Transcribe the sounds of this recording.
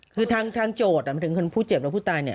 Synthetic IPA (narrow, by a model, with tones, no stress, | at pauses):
kʰɯː˧t̪ʰaː˧ŋt̪ʰaː˧ŋt͡ɕoː˨˩t̪̚ɾa˨˩a˧˩t̪ʰɯ˩˦kʰo˧npʰuː˥˩t͡ɕe˨˩p̚ɾa˦puː˥˩t̪ʰaː˧jni˥˩